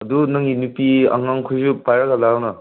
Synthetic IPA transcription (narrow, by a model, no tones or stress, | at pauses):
ɐdunaŋɡinupia̰ŋːaŋkʰujzupajɾaɡalawna